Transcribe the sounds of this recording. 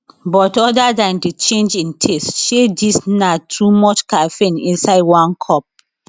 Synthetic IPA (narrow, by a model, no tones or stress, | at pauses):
bɔtɔdadãndet͡ʃẽnd͡ʒĩntʰestʃedisnatʰumɔt͡ʃkafẽnḭ̃nsaɪdwãnkʰɔp̚